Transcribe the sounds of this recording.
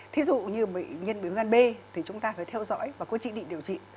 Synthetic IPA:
t̪ʰi˨˦zṵ˧˨ɲɨ˧ɓə̰˧˨jŋi˧ənɓi˨˦wzaː˧nɓe˧t̪ʰi˨˩t͡ɕʊ˨˦ŋ͡mt̪aː˧faː˨˦jt̪ʰɛ˧wzɔ̰ː˧˥jvaː˨˩ku˦ət͡ɕḭ˧˨ɗḭ˧˨ɗəwt͡ɕḭ˧˨n

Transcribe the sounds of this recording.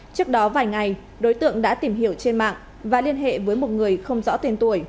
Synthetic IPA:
t͡ɕɨ˦˥ək̚ɗɔ˨˦vaː˨˩jŋa˨˩j | ɗo˨˦jt̪ɨ̰˧˨əŋɗa̰ː˧˥t̪i˧˩mɦi˧˩əwt͡ɕe˧nma̰ː˧˨ŋ | vaː˨˩li˧ənɦḛ˧˨vəː˨˦jmo˨˩t̚ŋɨ˨˩əjxə˧wŋ͡mzɔ̰˧˥t̪e˧nt̪u˧˩əj

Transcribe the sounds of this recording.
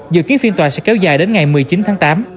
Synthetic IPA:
zɨ̰˧˨ki˨˦ənfi˧ənt̪waː˨˩sɛ̰˧˥kɛ˨˧˦wzaː˨˩jɗe˨˦nŋa˨˩jmɨ˨˩əjt͡ɕi˨˦nt̪ʰaː˨˦ŋt̪aː˨˦m

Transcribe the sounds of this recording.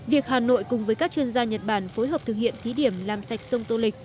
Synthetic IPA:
vi˨˩ək̚haː˨˩no̰˧˨jkʊ˨˩ŋ͡mvəː˨˦jkaː˦˥k̚t͡ɕwi˧ənzaː˧ɲə˨˩t̚ɓaː˧˩nfo˨˦jɦəː˨˩p̚t̪ʰɨ˨˩k̚hḭ˧˨ənt̪ʰi˨˦ɗi˧˩əmlaː˨˩msa˨˩jk̟̚sə˧wŋ͡mt̪o˧lï˨˩k̚

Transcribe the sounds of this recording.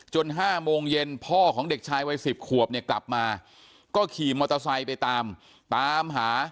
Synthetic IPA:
t͡ɕo˧nɦaː˥˩moː˧ŋje˧npʰɔː˥˩kʰɔː˩˦ŋde˨˩k̚t͡ɕʰaː˧jwa˧jsi˨˩p̚kʰu˨˩əp̚ni˥˩əkla˨˩p̚maː˧ | kɔː˥˩kʰiː˨˩mɔː˧t̪a˧sa˧jpa˧jt̪aː˧m | t̪aː˧mɦaː˩˦

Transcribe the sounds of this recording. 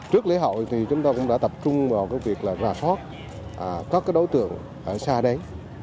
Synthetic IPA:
t͡ɕɨ˦˥ək̚le˨˦ɦə̰˧˨wt̪ʰi˨˩t͡ɕʊ˨˦ŋ͡mt̪aː˧kʊ̰˧˥ŋ͡mɗa̰˧˥t̪ə˨˩p̚t͡ɕʊ˧ŋ͡mvaː˨˩wkaː˨˦jvi˨˩ək̚laː˨˩zaː˨˩sɔ˦˥t̚ | ʔka˦˥kaː˨˦jɗo˨˦jt̪ɨ̰˧˨əŋ | ʔəː˧˩saː˧ɗə˨˧˦j

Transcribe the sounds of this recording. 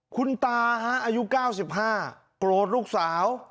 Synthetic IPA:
kʰu˧nt̪aː˧ɦa˦˥ʔaː˧ju˦˥kaː˥˩wsi˨˩p̚ɦaː˥˩ | kloː˨˩t̪̚luː˥˩k̚saː˩˦w

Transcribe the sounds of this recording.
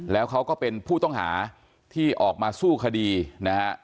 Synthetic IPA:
lɛː˦˥wkʰa˦˥wkɔː˥˩pe˧npʰuː˥˩t̪ɔ˥˩ŋɦa̰ː˩˦ | t̪ʰiː˥˩ʔɔː˨˩k̚maː˧suː˥˩kʰa˧diː˧na˦˥ha˥

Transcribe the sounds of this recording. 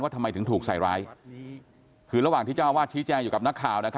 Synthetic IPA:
nwaː˥˩t̪ʰma˧jt̪ɯ˩˦ŋt̪ʰuː˨˩k̚sa˨˩jɾaː˦˥j | kʰɯː˧ɾa˧waː˨˩ŋt̪i˥˩t͡ɕa˥˩˧waː˥˩t͡ɕʰiː˦˥t͡ɕɛː˧ŋjuː˨˩ka˨˩p̚na˦˥kʰːaː˨˩wna˦˥kʰa˦

